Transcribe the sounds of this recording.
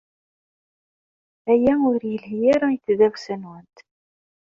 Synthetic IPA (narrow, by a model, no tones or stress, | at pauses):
æjæʊɾjəlhjæɾajəθðæwsænwənt̪